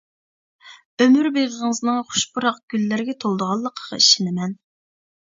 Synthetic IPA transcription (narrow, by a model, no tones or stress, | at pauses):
ømyɾbeʁəʁŋəznɨŋχʊ̥ʃbuɾɑq̚ɡ̥ʲylːæɾɡʲɛt̪ʰolˠd̪əʁɑlˠːəqʰəʁɑ̰iʃɪnɪmɛn